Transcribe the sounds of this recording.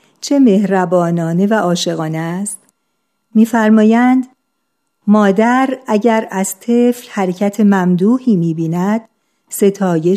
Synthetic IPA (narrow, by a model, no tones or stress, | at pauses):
t͡ʃʰe̞me̞hɾæbɒːnɒːne̞væʔɒːʃe̞ɣɒːnest̪ | miːfæɾmɒːjænd̪ | mɒːd̪æɾæɟæɾæz̥t̪ʰe̞flhæɾe̞cʰæt̪ʰe̞mæmd̪uːhiːmiːbiːnæd̪̥ | se̞t̪ʰɒːje̞